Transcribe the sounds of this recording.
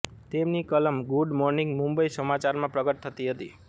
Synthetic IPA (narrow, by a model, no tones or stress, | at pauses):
t̪emnikələmɡuɖmɔɾnĩŋɡmumbəisəmat͡ʃaɾmãpɾəɡəʈ̚t̪ʰət̪iɦət̪i